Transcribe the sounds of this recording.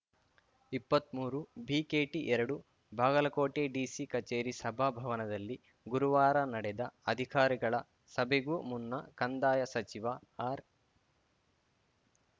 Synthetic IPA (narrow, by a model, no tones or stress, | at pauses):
ipːɐt̪muːɾubʱiːkeːʈiʔɛɾɐɽu | bʱaːɡɐlɐkoːʈeːɖiːsikɐt͡ʃeːɾisɐbʱabʱɐʋɐnɐd̪ɐlːi | ɡuɾuʋaːɾɐnɐɽɛd̪ɐɐd̪ʱikaːɾiɡɐɭɐ | sɐbʱeɡumunːɐkɐnd̪aːjɐsɐt͡ʃiʋɐaːɾ